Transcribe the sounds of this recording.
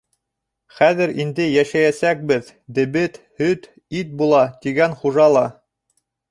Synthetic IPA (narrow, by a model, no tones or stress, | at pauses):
χæðɘɾind̪ɘjæʃæjæsæk̚bɘð | d̪ɘ̆βɘt̪hɵt̪ | it̪̚bulˠɑt̪iɡænχuʒɑlˠɑ